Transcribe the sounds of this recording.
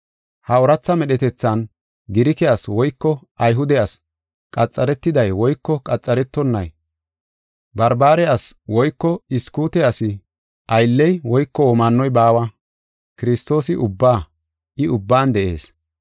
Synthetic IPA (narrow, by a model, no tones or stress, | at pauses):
hɐɔɾɐt͡sːɐmɛɗɛt̪ɛt͡sːɐn | ɡɪɾɪkɛaswɔjkːɔ | ɐjɦʊd̪ɛɐs | kʼɐt͡sʼːɐɾɛt̪ːɪd̪ɐjwɔjkːɔkʼɐt͡sʼːɐɾɛt̪ːɔnːɐ̰j | bɐɾbaːɾɛɐswɔjkːɔɪskuːt̪ɛɐsɪ | ʔɐjlːɛjwɔjkːɔɔmanːɔjbaːwɐ | kɪɾɪst̪o̞ːsɪʔʊbːaː | ʔɪʊbːaːnd̪ɛʔe̞ːs